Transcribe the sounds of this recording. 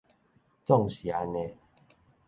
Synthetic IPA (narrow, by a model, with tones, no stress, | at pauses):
t͡sɔ˥˧ŋɕja˨˦ne˧